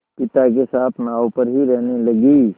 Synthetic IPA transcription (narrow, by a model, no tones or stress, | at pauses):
pɪt̪ak̬esaːt̪ʰnaːopəɾɦiɾɛɦneləɡiː